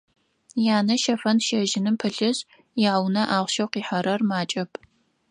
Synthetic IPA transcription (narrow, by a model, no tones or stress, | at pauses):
jaːnɐʃɐfɐnʃɐʒɪnɨmpʰɨɬɨɕ | jaːwnɐʔaːʁʷʃɐwqiːħɐɾɐrmaːt͡ʃʼɐpʰ